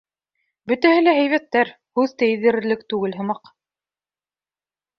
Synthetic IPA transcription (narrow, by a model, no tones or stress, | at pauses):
bɵ̆t̪æhɘlææjβæt̪ːæɾ | hʉðt̪æjɘ̆ðɘ̆ɾɘ̆ɾlɘk̚t̪ʉɡɘlɦɤ̆mɑq